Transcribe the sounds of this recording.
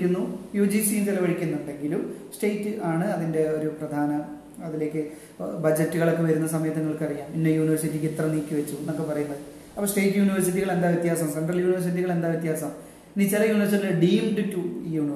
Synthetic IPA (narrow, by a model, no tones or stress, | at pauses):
kʲːunːujud͡ʑiːsit͡ɕelɐʋɐɻikʲːunːuɳɖe̞ŋɡilumsʈejtːɨʔaːɳɨɐðinde̞o̞ɾuprɐd̪ʱaːnɐ | ɐðile̞ːkːɨ | bɐd͡ʑɐtːuɣɐɭo̞kːe̞ʋɐɾunːɐsɐmɐjɐt̪ːɐŋːɐɭkɨɐrijaːmpinːejuːniʋɐrsitːikit̪rɐniːkʲːɨʋet͡ɕːunokːɨpɐrɐjunːɐðɨ | ɐpːoːsʈe̞jtːɨjuːniʋɐrsit̬ːiɣɐɭe̞nd̪aːʋjit̪jaːsɐmseɳɖrɐljuːniʋɐrs̬it̬ːiɣɐɭe̞nd̪aːʋit̪jaːsɐm | nit͡ɕilɐjuːniʋɐrs̬iɐɖiːmɖɨtːujuːn